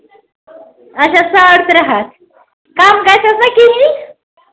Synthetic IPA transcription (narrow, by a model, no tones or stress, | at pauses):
əɕasaɽt̪ɾəɦat̪ | kamɡasasakiini